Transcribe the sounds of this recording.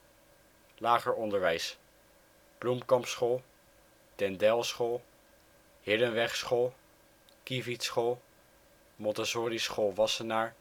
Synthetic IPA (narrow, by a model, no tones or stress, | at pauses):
laːχəɹɔndəɹʋɛjs | b̥lumkɑmpsχolˠ | tɛndɛlˠsχolˠ | hɪdənʋɛχsχolˠ | kivitsχolˠ | mɔntasoːrisχolˠʋɑsənaːɹ